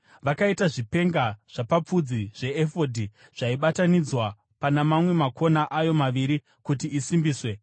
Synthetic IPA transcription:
ʋakaitaʐipe̞ŋɡaʐ̥apap͡fud͡ziʐ̥e̞ːfo̞dʱi | ʐ̥aiɓatanid͡zwa | panamamwe̞makʰo̞naʔajo̞maʋiɾi | kutiːsimbiːswe̞

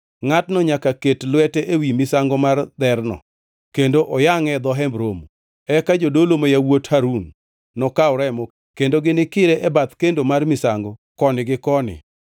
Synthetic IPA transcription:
ŋatnɔɲakaketlʊwɛtɛʔewimɪsaŋɡɔmard̪ɛrnɔ̰ | kendoʔɔjaŋɛd̪ɔɦɛmbɾomu | ɛkad͡ʒodolomojawothaɾunː | ɔkaʊɾɛmo | kendoɡɪnɪkɪɾeʔɛbat̪kendomarmɪsaŋɡɔkɔnɪɡɪkɔnɪ̰

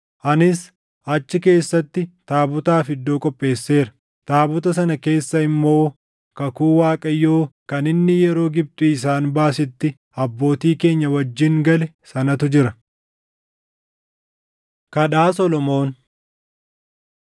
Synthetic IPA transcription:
ʔɐnɪs | ʔɐt͡ʃːɪke̞ːsːɐt̪ːɪt̪aːbʊt̪aːfɪd̪ːo̞ːkʼɔpʼːe̞ːsːe̞ːɾɐ̥ | t̪aːbʊt̪ɐs̬ɐnɐke̞ːsːɐɪmːo̞ː | kɐkuːwaːkʼɐjːoːkɐnɪnːɪjɛɾo̞ːɡɪb̚t̪ʼuɪs̬aːnbaːsɪt̪ːɪ | ɐbːo̞ːt̪iːke̞ːɲːɐwɐd͡ʒːɪŋɡɐlɛsɐnɐt̪ʊd͡ʒɪɾɐ | kɐᶑaːsɔlɔmo̞ːn

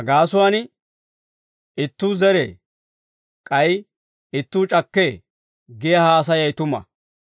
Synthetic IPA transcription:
ɐɡaːsʊwaːn | ɪt̪ːuːzɛɾḛː | kʼɐj | ɪt̪ːuːt͡ʃʼɐkːeː | ɡɪjɐhaːs̬ɐjɐjt̪ʊmɐ̰

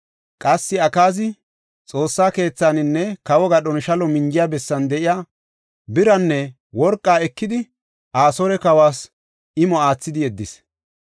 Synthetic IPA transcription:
kʼɐsːɪɐkaːzɪ | t͡sʼo̞ːsːaːke̞ːt͡sːaːnɪnːɛkɐwɔɡɐɗɔnʃɐlɔmɪŋd͡ʒɪjaːbɛsːɐnd̪ɛʔɪjaː | bɪɾɐnːɛ | wɔɾkʼːaːɛkːɪd̪ɪ | ʔaːsɔɾɛkɐwaːs | ʔɪmɔaːt͡sːɪd̪ɪɛd̪ːɪs

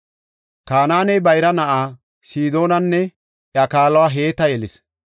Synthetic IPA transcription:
kaːnaːnɛjbɐjɾɐnɐʔaː | siːd̪o̞ːnɐnːɛ | ʔjakaːlwaːɦeːt̪ːɐjɛlɪs

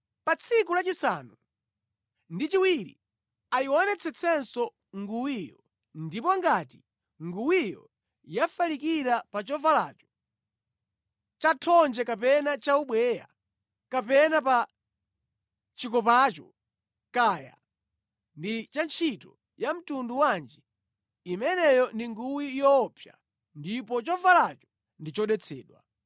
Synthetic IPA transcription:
pat͡sʰikulat͡ʃisa̰ːnu | ndit͡ʃiwiɾḭ | aiwɔnɛt͡sʰɛt͡sʰɛnsɔ | ŋɡuwijɔ | ndipɔŋɡati | ŋɡuwijɔ̰ | jafalikiɾapat͡ʃɔvala̰ːt͡ʃɔ̥ | t͡ʃatʰɔnd͡ʒɛkapɛnat͡ʃauɓwɛja̰ | kapɛnapa | t͡ʃikɔpat͡ʃɔ | kaja̰ | ndit͡ʃant͡ʃʰitɔ | jam̩tunduwand͡ʒi | imɛnɛjɔndiŋɡuwijɔːpʰja̰ | ndipɔt͡ʃɔvalat͡ʃɔ̥ | ndit͡ʃɔɗɛt͡sʰɛ̰ːɗwa̰

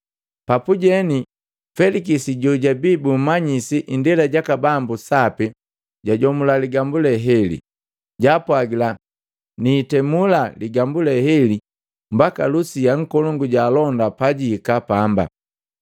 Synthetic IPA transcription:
papuɟɛni | fɛlikisiɟɔɟabiːbumaɲisiʔindɛlaɟakabambusapi | ɟaɟɔmulaliɡambulɛɦɛlḭ | ɟaːpwaɡila | niːtɛmulaliɡambulɛhɛli | mbakalusiaŋ̩kɔlɔŋɡuɟaːlɔndapaɟiːkapamba̰

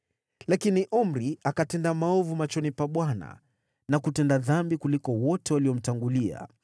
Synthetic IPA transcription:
lakiniʔɔm̩ɾiakatɛndamaɔvumat͡ʃɔnipaɓwana̰ | nakutɛndaðambikulikɔwɔtɛwaliɔm̩taŋɡulia̰

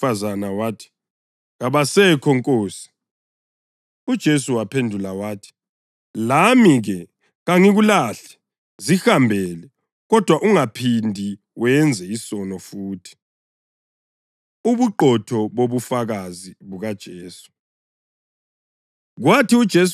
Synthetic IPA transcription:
azanawaːtʰi̥ | ɣaβasɛkʰɔŋkʼoːsi̥ | ud̥ʒ̥ʱesuwapʰendʱulawaːtʰi̥ | lamiɣɛ | ɣaŋiɣulaːɬɛ̥ | zihambʱɛlɛ | ɣɔd̥ʱwaʔuŋapʰindʱi | wɛnd͡zʱɛisɔnɔfuːtʰi̥ | uβuǃɔtʰɔβoβufaɣaziβuɣad̥ʒ̥ʱeːsu̥ | ɣwatʰiud̥ʒ̥ʱes

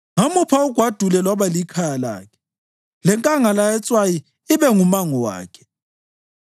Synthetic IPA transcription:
ŋamupʰauɡ̥ʱwad̥ʱulɛlɔβalikʰajala̰ːkʰɛ̥ | lɛŋkʼaŋalajɛt͡sʼwaji | iβɛŋumaŋɔwa̰ːkʰɛ̥

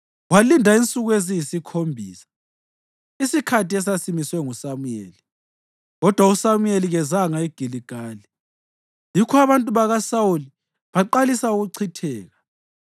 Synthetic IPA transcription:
walindʱaint͡sʼuɣwezijisikʰombʱḭːsḁ | isikʰatiɛs̬asimiswɛŋusamujḛːli | ɣɔd̥ʱwausamueliɣɛzaŋaiɡ̥ʱiliɡ̥ʱaːli | jikʰɔaβantʼuβaɣasawuli | βaǃalisauɣuǀʰitʰɛːɣa

